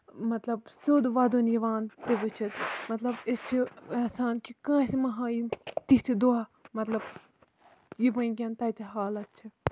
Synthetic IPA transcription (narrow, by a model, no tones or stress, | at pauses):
mɐt̪lɐbsoːd̪uʋɐd̪unjiʋaːnt̪eʋɨt͡ʃʰɐt̪mɐt̪lɐbest͡ʃʰieːsaːnkikãːsimɐɦãːjit̪it̪ʰid̪oamɐt̪lɐb | jiʋɐ̃ikʲɐnt̪ɐjt̪iɦaːlɐt̪̚t͡ʃʰi